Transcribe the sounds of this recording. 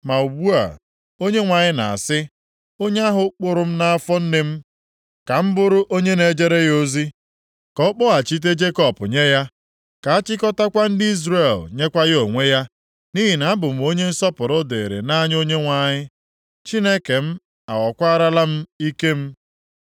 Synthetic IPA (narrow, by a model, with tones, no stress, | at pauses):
ma˨u˨bu˦a̰˨ | o˦ɲe˦ŋʷa˨ɲɪ˦na̰˨a̰˨sɪ˦ | o˦ɲe˦a˦ɦʊ˨k͡pʊ˨ɾʊ˦m̩˦na˦a˦fɔ˦n̩˦nɪ˦m̩˦ | ka˨m̩˦bʊ˦ɾʊ˦ʔo˦ɲe˦ne˨d͡ʒe˦ɾe˦jo˦zi˦ | kɔ˨˦k͡pɔ˦a˨t͡ʃi˦t̬e˦d͡ʒe˦kɔ˦pʊ̰˨ɲe˦ja˦ | ka˨a˦t͡ʃɪ˦kɔ˦ta˦kʷa˦n̩˦dɪ˦i˦zɾe˨lɲe˦kʷa˦ɣo˨ŋʷe˦ja˦ | ni˦ɦi˨na˨˦bʊ˨m̩˨˦o˦ɲe˦n̩˦sɔ˦pʊ˨ɾʊ˦de˨e˨ɾḛ˨na˦ɲ˦o˦ɲe˦ŋʷa˨ɲɪ˦ | t͡ʃi˦ne˦ke˨m̩˦ | a˨wɔ˨kʷa˦ɾa˦la˦m̩˦i˦ke˦m̩˦